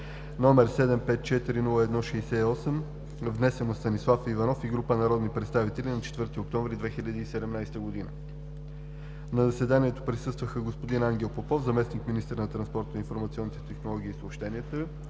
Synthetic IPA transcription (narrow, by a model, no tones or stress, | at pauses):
nɔmɛɾsɛd̪ɛmpɛt̪̚t͡ʃɛt̪iɾinulˠəɛd̪nɔʃɛːsɛiɔsɛm | vnɛsɛnost̪ɐnislˠafivɐnɔfiɡɾupənɐɾɔd̪nipɾɛt̪st̪avit̪ɛlʲinɐt͡ʃɛ̥t̪vɤɾt̪iok̚t̪ɔ̃ɱvɾid̪vɛxilʲəd̪iːsɛd̪ɛmnajst̪əɡod̪inə | nɐzɐsɛd̪aniɛt̪opɾisɤst̪vəxəɡospod̪inaŋɡʲɛlˠpopɔfzɐmɛsnikminist̪əɾnɐt̪ɾɐnspɔɾt̪zɐinfoɾmɐt̪siɔnːit̪ɛ̥t̪ɛxnolˠɔɡ̟iːsoːpʃt̪ɛniɛt̪ə